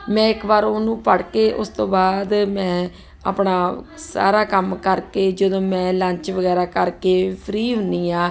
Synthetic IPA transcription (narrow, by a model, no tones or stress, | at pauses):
mɛ̃ːɪkbaːɾoːnũːpəɽkeːʔʊst̪õːbaːd̪mɛ̃ː | a̰ːpɳaːsa̰ːɾaːkəmkəɾkeːd͡ʒəd̪õːmɛ̃ːlə̃ɲt͡ʃʋəɡɛːɾaːkəɾkeːpʰɾiːɦʊ̃ndiːaː